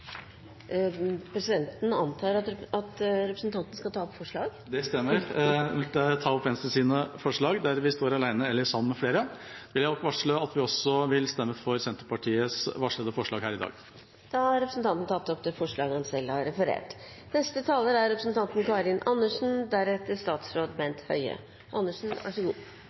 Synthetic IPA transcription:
pʰɾɛsɪd̪ɛnt̪n̩ɑnt̪ʰɑːɾɑɑt̪ɾɛpɾəsn̩t̪ʰɑnt̪nəskɑt̪ʰɑːɔpːfɔʂɭɑːɡd̪ɛst̪ɛmːəɾt̪ət̪ʰɑːɔpʰɛnəst̪əsiːnəfɔʂɭɑːɡd̪æɾʋɪst̪oːɾɑlæɪnəɛlːəʂɑmːəmɛfleːɾəʋɪljæd̪ɔkːʋɑʂɭoːɑt̪ʋɪɔsɔʋɪlst̪ɛmːəfɔɾsɛnt̪əɾpɑʈʰiːəsʋɑʂɭəːd̪əfɔʂɭɑːɡɦæːɾɪd̪ɑ̰ːɡ | d̪̥ɑɑɾɛpɾəsn̩t̪ʰɑnt̪n̩t̪ʰɑpt̪ːɔpt̪ɪfɔʂɭɑːɡəɑnsɛlːhɑɾɾɛfəɾḛːʈ | nɛst̪ət̪ʰɑːləɾæɾɾɛpɾəsn̩t̪ʰɑnt̪n̩kɑːɾɪnʔɑnːəʂn̩d̪æɾɛt̪ːəʂt̪ɑːt̪sɾoːd̪bɛnt̪hœ̰ʏə̰ | ʔɑ̰nːəʂn̩æ̰ʂɔɡuː

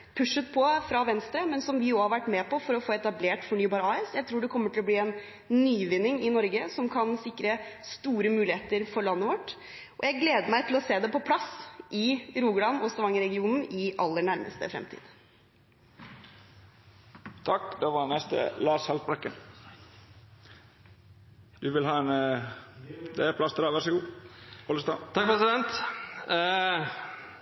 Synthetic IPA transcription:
pʰʉʂət̪pʰɔfɾɑʋɛnst̪ɾəmɛnsɔmʋɪohɑɾʋæʈːmɛpɔfɔɾɔfoːɛt̪ɑbleːʈfɔɳyːbɑːɾəɑːɛsjæɪt̪ʰɾuːɖɛkʰɔmːəʈʰɪlɔbliːɛn | nyːʋɪnːɪŋɪnɔɾɡəsɔmkʰɑnsɪkɾəst̪uːɾəmʉːlɪheːt̪əɾfɔɾɭɑnːəʋɔʈː | ʔɔ̰jæɪɡleːd̪əmæɪt̪ʰɪlɔseːd̪ɛpɔpʰlɑsʔɪɾuːɡlɽɑnɔst̪ɑʋɑŋːəɾɛɡɪuːnn̩ɪʔɑlːəɳæɾmə̰st̪ə̰fɾɛ̰mt̪ʰḭːd̪ | t̪ʰɑkːd̪ɛʋɑnɛst̪ə̰lɑːshɑlt̪bɾɑkːən | d̪̥ʉʋɪlɦɑːɛn | d̪ɛæɾpʰlɑst̪ʰəd̪ɑʋæɾʂəɡuːɔləst̪ɑːt̪ʰɑk̚pʰɾɛsɪd̪ɛnt̪

